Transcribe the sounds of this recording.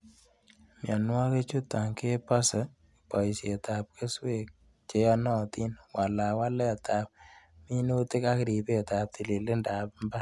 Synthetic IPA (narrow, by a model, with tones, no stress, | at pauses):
mja˨nwa˦ke˦t͡ʃu˦t̪ːa˨ŋke˦pa˦sa˨ | pa˨isie˨ta˨p̚kʰe˦swe˦k̚ | t͡ʃe˦jɔ˦nɔ˦t̪i˦nwa˨la˨wa˦lɛ˦a˨t̪ʰa˨p̚mi˦nu˦tɪ˦ka˦kɾi˨pe˨ta˨p̚t̪ʰi˨li˨le˦nda˨pmba˦